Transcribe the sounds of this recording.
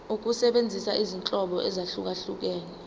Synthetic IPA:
uk̬ʼusɛɓend͡zʱisaʔizint͡ɬʼɔɓɔʔɛzaɬuk̬aɬuk̬ɛːnɛ

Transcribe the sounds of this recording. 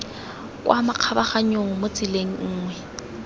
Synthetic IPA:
kwʔamaq͡χʰabaχaɲoŋ̩mʊt͡sʼileŋ̩ŋ̩ːŋwɛ

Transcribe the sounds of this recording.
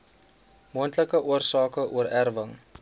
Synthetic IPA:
muəntləkəʔuərsɑːkəʔuəɾærvəŋ

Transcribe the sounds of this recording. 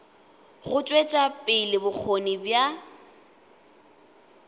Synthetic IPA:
ɣʊt͡ʃʼwet͡ʃʼapʼɪlɪbʊk͡xʰonibja

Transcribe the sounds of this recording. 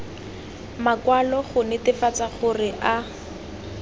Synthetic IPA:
makwalɔχʊnɛtɪfat͡saχʊrɪʔa

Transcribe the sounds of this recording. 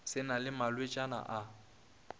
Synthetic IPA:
sɪnalɪmalwet͡ʃʼana̰ʔa

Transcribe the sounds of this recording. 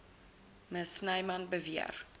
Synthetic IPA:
məsnɐjmɐnbəviə̰r

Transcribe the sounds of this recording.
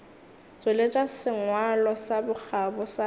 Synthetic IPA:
t͡sʼolet͡ʃʼasɪŋwalɔsabʊk͡xabɔsa

